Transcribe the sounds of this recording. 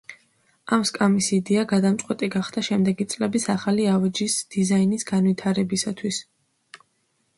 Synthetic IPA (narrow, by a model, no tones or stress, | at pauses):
amskʼamisid̪ɛaɡad̪amt̪sʼqʼwɛt̪ʼiɡaχd̪aʃɛmd̪ɛɡit̪sʼlɛbisaχaliavɛd͡ʒisd̪̥izainisɡanvit̪ʰaɾɛbisat̪ʰwis